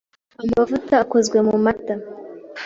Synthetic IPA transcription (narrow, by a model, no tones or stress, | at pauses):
amavɨt̪akʷozɡʷemumat̪ːa